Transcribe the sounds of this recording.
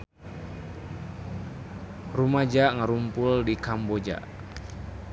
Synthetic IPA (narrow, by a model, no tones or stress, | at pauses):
rumad͡ʒaʔŋaɾumpuldikambod͡ʒa̰ʔ